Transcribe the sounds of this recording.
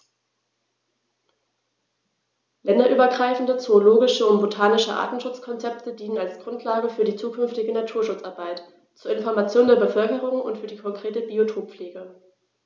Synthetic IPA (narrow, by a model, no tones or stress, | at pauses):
lɛndɐʔyːbɐɡʁaɪfn̩dət͡soːloːɡɪʃəʊntb̥otʰaːnɪʃəʔa̰ːtn̩ʃʊt͡skʰɔnt͡sɛp̚tədiːnənalsɡ̥ʁʊntʰlaːɡəfyːɐdiːt͡suːkʰʏnftɪɡənatʰuːɐʃʊt͡sʔaɐbaɪt | t͡suːɐɪnfɔɐmat͡sjoːndeːɐbəfœlkəʁ̞ʊŋʊ̰ntfyːɐdiːkʰɔŋkʁ̥eːtəbiotʰoːpp͡fleːɡə